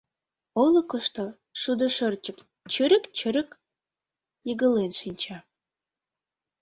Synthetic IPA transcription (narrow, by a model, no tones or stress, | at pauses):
oləkəʃt̪o | ʃud̪ə̆ʃərt͡ɕək | t͡ɕəɾəkt͡ɕə̆ɾə̆k | jəɣə̆lenʃinʲt͡ɕɑ